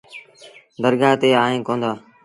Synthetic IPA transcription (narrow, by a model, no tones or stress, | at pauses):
d̪əɾɡaːt̪eːaːɦẽːkõːnd̪aː